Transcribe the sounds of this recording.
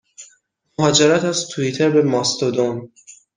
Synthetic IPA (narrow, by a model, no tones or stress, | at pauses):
moɦɒːd͡ʒeɾæt̪æzt̪ʰuit̪ʰeɾbe̞mɒːst̪od̪on